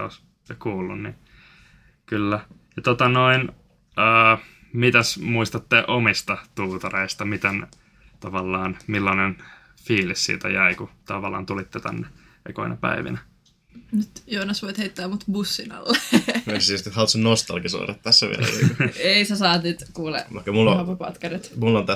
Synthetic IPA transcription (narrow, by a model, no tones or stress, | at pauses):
o̰is | kuːlːunni | kylːæ | jɑt̪ot̪ɑnoin | əː | mit̪æsmuist̪ɑt̪ːeʔomist̪ɑt̪uːt̪ɑreist̪ɑmit̪en | t̪ɑʋɑlːɑːnmilːɑnen | fiːlissḭːt̪æ̰jæikut̪ɑʋɑlːɑ̰ːnt̪ulit̪ːɛt̪æ̰nːe | ḛkoinɑpæ̰iʋḭnæ | nyt̪joːnɑsʋoit̪heit̪ːæːmut̪busːinɑ̰lːeesst̪ihɑlt̪sennost̪ɑ̰lɡiso̰ːrɑt̪t̪æsːæʋḭlæ̰l̰eisæsɑːt̪nyt̪kuːlḛlːɑkːɑmulːopɑpɑ̰t̪kɑrit̪mulːont̪æ